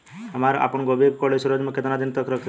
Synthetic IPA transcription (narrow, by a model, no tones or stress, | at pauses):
əmaɾa̰pəɳɡobikkɔlesuɾod͡ʒməkʰːət̪nad̪int̪əkʰɾək̪ʰ